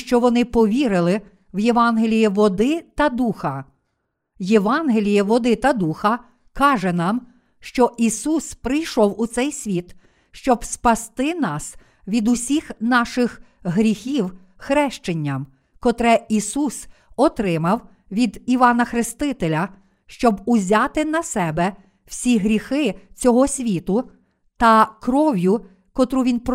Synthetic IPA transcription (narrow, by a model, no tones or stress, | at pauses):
ʃt͡ʃɔʋɔnɪpɔʋʲiɾɪlˠɪ | ʋjeʋɑnɦelʲijiʋɔd̪ɪt̪ɐd̪uxɐ | jeʋɑnɦelʲijiʋɔd̪ɪt̪ɐd̪uxɐ | kɑʒɛnɑm | ʃt͡ʃɔʔisuspɾɪjʃɔwʊt̪sɛjsʲʋʲit̪ | ʃt͡ʃɔbspɐst̪ɪnɑs | ʋʲid̪ʊsʲixnɑʃɪx | ɦɾʲixʲiw | xɾɛʃt͡ʃenʲːɐm | kɔt̪ɾɛisus | ɔt̪ɾɪmɐw | ʋʲid̪iʋɑnɐxɾɪst̪ɪt̪elʲɐ | ʃt͡ʃɔbuzʲat̪ɪnɐsɛbɛ | w̥sʲiɦɾʲixɪt͡sʲɔɦɔsʲʋʲit̪ʊ | t̪ɐkɾɔʋʲjʊ | kɔt̪ɾuʋʲinp